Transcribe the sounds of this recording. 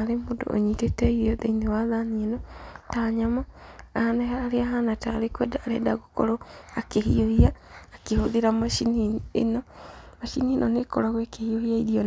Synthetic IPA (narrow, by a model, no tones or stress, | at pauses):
aɾemoːdo̰ʔo̰ɲitetɛiɾiɔðeinewaðanienɔtaɲamaaanɛhaːɾeaɦanataɾekwɛdaːɾḛdaɣokɔ̰ɾoakehiohiaːkehoðiɾamaʃiniḛnɔmaʃinienɔnekɔɾaɣwekehiohiaiɾiɔn